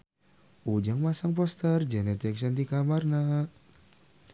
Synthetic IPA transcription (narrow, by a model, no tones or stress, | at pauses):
ud͡ʒaŋmasaŋpɔst̪ərd͡ʒɛnɛt̪ɛksand̪ikamarna